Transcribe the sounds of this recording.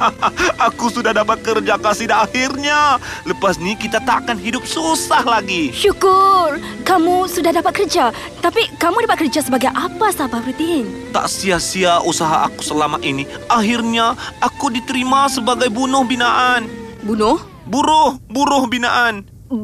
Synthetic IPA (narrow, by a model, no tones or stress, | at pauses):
akusudahdapat̪̚kərd͡ʒakasihdaːhirɲaləpasnikit̪at̪aʔkanɦidʊp̚susahlaɡiʃukʊr | kamusudahdapat̪̚kərd͡ʒa | t̪apikamudapat̪̚kərd͡ʒasəbaɡajʔapasabapɾit̪iɦɪnt̪a̰ʔsiasiausaɦaʔa̰ku̥səlamaʔiniʔaɦirɲaakudit̪əɾimasəbaɡajbunʊhbinaʔanbunʊh | buɾʊhbunʊhbinaʔan